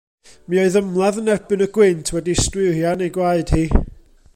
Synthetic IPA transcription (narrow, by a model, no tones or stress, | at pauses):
miɔɨðəmlˠaðənɛbɨnəɡwɪntʰwɛdistwɪrjanejɡwaɨd̥hiː